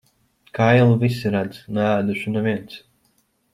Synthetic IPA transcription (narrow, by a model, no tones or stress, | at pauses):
kajlˠuvisiɾad̪znaæːd̪uʃunaviɛnt̪s